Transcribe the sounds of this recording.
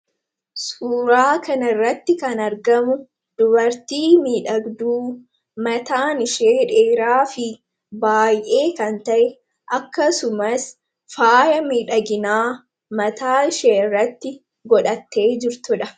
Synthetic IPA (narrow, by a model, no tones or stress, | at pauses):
suːɾaːkɐnɐrːɐt̪ːɪkɐnɐɾɡɐmʊ | d̪̥ʊbɐɾt̪iːmiːᶑɐɡd̪uː | mɐt̪aːnɪʃeːᶑeːɾaːfɪ | baːjʔe̞ːkɐnt̪ɐʔɛ | ʔɐkːɐsʊmɐs | faːjɐmiːᶑɐɡɪnaː | mɐt̪aːɪʃeːɪrːɐt̪ːɪ | ɡɔᶑɐt̪ːe̞ːd͡ʒɪɾt̪ʊᶑɐ